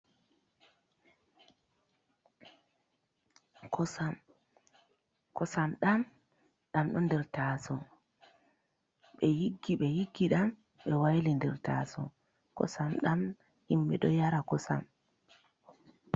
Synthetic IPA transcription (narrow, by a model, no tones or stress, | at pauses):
kʰɔsam | kɔsamɗam | ɗamɗɔndɛɾtaːsɔ | ɓɛjiɡːiɓɛjiɡːiɗam | ɓɛwajlindɛɾta̰ːsɔ̰ | kɔ̰samɗam | himɓɛ̰ɗɔjaɾakɔsa̰m